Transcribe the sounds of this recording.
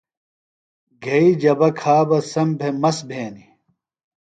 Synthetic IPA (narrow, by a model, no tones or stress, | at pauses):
ɡʱɐid͡ʑɐbɐkʰaːbɐsɐmbʱemɐsbʱeːni